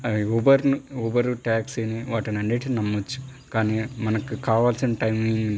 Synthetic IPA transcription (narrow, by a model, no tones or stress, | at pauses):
ɐoʋɐɾnuoːbɐɾuʈaːkseniʋaːʈɐnɐnːiːʈinɐmːɐt͡ʃːu̥ | kaːnimɐnɐkikaːʋaːlsineʈɐjmeni